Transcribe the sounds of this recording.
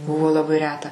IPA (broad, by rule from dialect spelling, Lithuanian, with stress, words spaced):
ˈbʊʋoː lˠɐˈbɐɪ ˈrʲæːtɐ